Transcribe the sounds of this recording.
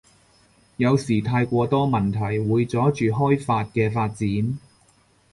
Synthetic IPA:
jɐ˨˧wsiː˨˩t̪ʰaː˧jkʷɔː˧t̪ɔː˥mɐ˨˩nt̪ʰɐ˨˩jwuː˨˧jt͡sɔː˨˥t͡ʃyː˨ɦɔː˥jfaː˧t̚kɛː˧faː˧t̚t͡siː˨˥n

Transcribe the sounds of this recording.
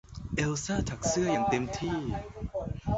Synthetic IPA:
ʔe˧wsaː˥˩t̪ʰa˨˩k̚sɯ˥˩ɐjaː˨˩ŋt̪e˧mt̪ʰiː˥˩

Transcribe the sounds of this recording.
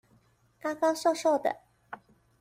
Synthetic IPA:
kɑ˥kɑ˥ŋso˥˧ʂo˥˩ʊd̪ə̰˨˩

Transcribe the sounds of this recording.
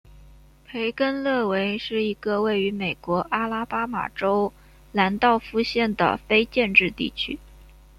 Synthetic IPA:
pʰe˧˥ɪkə˥nlɤ˥˩we˧˥ɪʂɻ̩˥˩i˧˥ɡə˧we˥˩ɪy˧˥me˨˩ɪkwɔ˧˥ʔa˥la˥pa˥ma̰˨˩ʈ͡ʂo˥ʊ | la˧˥nt̪ɑ˥˩ʊfu˥˧ɕjɛ˥˩nd̪ə̰˩fe˥ɪt͡ɕjɛ˥˧nʈ͡ʂɻ̩˥˧t̪ḭ˥˩t͡ɕʰy̰˥

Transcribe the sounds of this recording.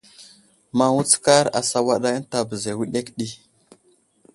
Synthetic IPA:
ma˨wu˦t͡ska˦ɾa̰˨sa˦wa˦ɗa˦ə˦n˦ta˨bə˨ze˨wi˦ɗe˦kɗi˦

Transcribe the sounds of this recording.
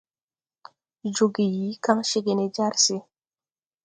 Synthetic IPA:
d͡ʒo˨ɡi˨ji˨˦ka˦ŋʃe˦ɡe˨ne˨d͡ʒa˦ɾse˦

